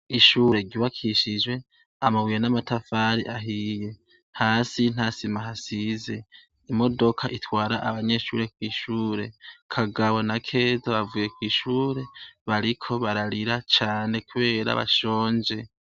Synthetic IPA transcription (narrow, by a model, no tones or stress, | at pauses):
iʃuːɾe̞ɟiβakʰiʃid͡ʒwe̞ | amawijenamatʰafaːɾiʔaɦije̞ | haːsin̥hasimaɦasize̞ | imo̞do̞kʰaʔitwaːɾaʔaβaɲe̞ʃuːɾe̞kwiːʃuːɾe̞kʰaɡaβonakʰe̞ːzaβavuːje̞kwiːʃuːɾe̞βaɾikʰo̞βaɾaɾiɾat͡ʃaːne̞kuβe̞ːɾa̰βa̰ʃo̞ːɲd͡ʒe̞